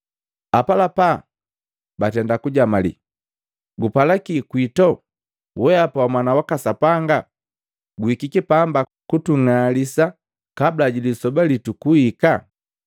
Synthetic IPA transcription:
apalapa | batɛndakuɟamalḭ | ɡupalakikwitɔ | wɛapawamwanawakasapaŋɡa | ɡuikikipambakutuŋalisa | kablaɟilisɔbalitukuhika

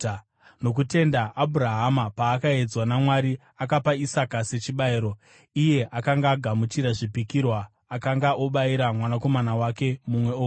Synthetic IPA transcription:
no̞k̬ute̞ndaʔːbʱuɾaɦamapaːkae̞d͡zwanamwaɾi | akapaisakase̞t͡ʃiɓaiɾo̞ | ije̞ʔakaŋɡaːɡʱamut͡ʃiɾaʐipikirwaː | kaŋɡaʔo̞ɓaiɾamwanako̞manawake̞mumwe̞oːku

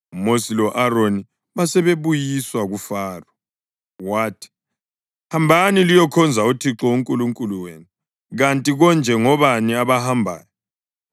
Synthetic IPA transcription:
umosilɔʔaroni | βasɛβeβujiswaɣufaːrɔ | waːtʰi̥ | hambʱanilijɔkʰɔnd͡zʱautʰiǁɔuŋkʼuluŋkʼuluweːnu | ɣantʼiɣɔnd͡ʒʱɛŋɔβaniaβahambʱa̰ːjɔ

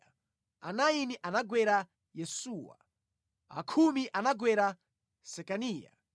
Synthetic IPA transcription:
a̰najiniʔanaɡwɛɾa | jɛsuwa̰ | a̰kʰumiʔanaɡwɛɾa | sɛkaniːja̰

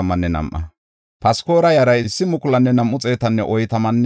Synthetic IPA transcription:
ɐmːɐnːɛnɐ̰mʔɐ̰ | pɐsko̞ːɾɐjɐɾɐjɪɪsːɪmʊkʼʊlɐnːɛnɐmʔʊt͡sʼe̞ːt̪ɐnːɛ̰ʔɔjt̪ɐmɐnː

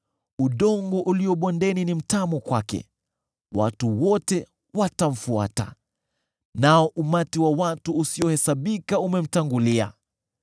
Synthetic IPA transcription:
uɗɔŋɡɔʔuliɔɓɔndɛninim̩tamɔkwakɛ̰ | wa̰tuwɔtɛ | watam̩fua̰ta̰ | naɔʔumatiwawatuːsiɔhɛsaɓikaumɛm̩taŋɡulia̰

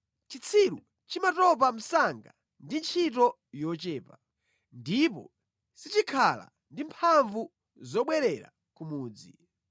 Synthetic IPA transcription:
t͡ʃit͡sʰiɾu | t͡ʃimatɔp̬am̩saŋɡa | ndint͡ʃʰitɔ | jɔt͡ʃɛːpa | ndip̬ɔ̰ | sit͡ʃikʰala̰ | ndimpʰaɱvu | zɔɓwɛɾɛɾa̰ | kumuːd͡zi

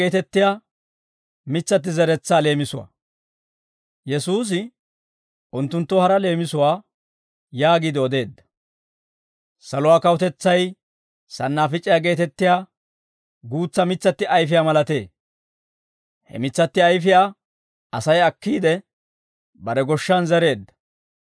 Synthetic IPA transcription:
eːt̪ɛt̪ːɪjaː | mɪt͡sːɐt̪ːɪzɛɾɛt͡sːaːle̞ːmɪsʊwa̰ | jɛsuːs̬ɪ | ʔʊnt̪ːʊnt̪ːɔhɐɾɐle̞ːmɪsʊwaː | jaːɡiːd̪ɪɔd̪e̞ːd̪ːɐ̥ | sɐlʊwaːkɐwʊt̪ɛt͡sːɐj | sɐnːaːfɪt͡ʃʼːɪjaːɡe̞ːt̪ɛt̪ːɪjaː | ɡuːt͡sːɐmɪt͡sːɐt̪ːɪʔɐjfɪjaːmɐlɐt̪e̞ː | hɛ̰mɪt͡sːɐt̪ːɪɐjfɪjaː | ɐsɐjɐkːiːd̪ɛ | bɐɾɛɡɔʃːɐnzɛɾe̞ːd̪ːɐ̥

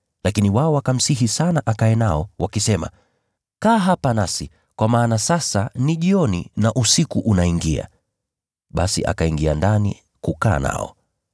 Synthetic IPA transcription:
lakiniwaɔwakam̩siɦisanaʔakaɛnaɔwakisɛma̰ | kaːɦapanasi | kwamaːnasasaniʄiɔnḭnaʔusikuʔunaiŋɡia̰ | ɓasḭʔa̰kaiŋɡia̰ndanḭ | kuka̰ːna̰ɔ̰

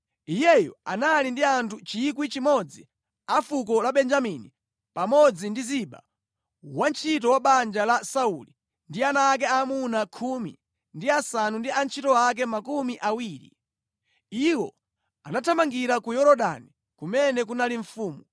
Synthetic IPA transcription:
ijɛjɔ̰a̰nalindiantʰut͡ʃik̬wit͡ʃimɔd͡zi | afukɔlaɓɛnd͡ʒamini | pamɔd͡zindiziɓa̰ | want͡ʃʰitɔwaɓand͡ʒalasauli | ndianak̬ɛamunakʰumḭ | ndiasanundiant͡ʃʰitɔak̬ɛmakumiʔawiːɾḭ | iwɔ̰ | a̰natʰamaŋɡiɾakujɔɾɔɗa̰ni | kumɛnɛkunaliɱfuːmu

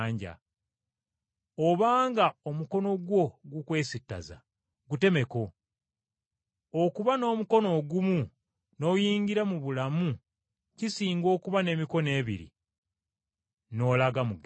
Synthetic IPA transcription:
ɲɟa̰ | oβaːŋɡao̞muko̞no̞ɡwo̞ɡukwe̞ːsitːa̰za̰ | ɡute̞me̞ko̞ | okuβano̞ːmuko̞no̞ɡumu | no̞jiːɲɟiɾamuβulamu | cisiːŋɡo̞ːkuβane̞ːmiko̞ne̞ːβḭɾḭ | no̞ːlaɡamuɡ

